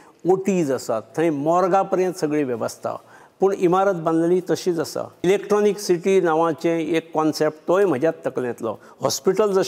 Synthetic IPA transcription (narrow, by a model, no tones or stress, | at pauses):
oʈiːd͡zəsat̪ːə̃ĩmɔɾɡapəɾjə̃nt̪səɡɭiʋjəʋəst̪ʰa̰ | pəɳimaɾət̪̚bə̃nd̪lit̪əɕiːt͡səsa̰ilekʈɾɔniksiʈinaʋãt͡ɕẽekːɔnsep̚ʈt̪ojm̤əd͡ʑjat̪ːəklɛ̃t̪lɔ̰ | hɔ̰spiʈəld͡zə